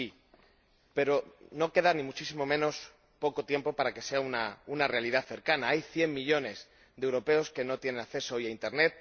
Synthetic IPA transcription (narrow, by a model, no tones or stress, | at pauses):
i | pe̞ɾo̞no̞ke̞ðanĩmut͡ʃisimo̞mẽ̞no̞s | po̞ko̞t̪je̞mpo̞paɾake̞se̞aunaunare̞alið̞aθe̞ɾkanaajθje̞mːiʎo̞ne̞z | ðewɾo̞pe̞o̞ske̞no̞t̪je̞ne̞nakθe̞soojaint̪e̞ɾne̞t̪̚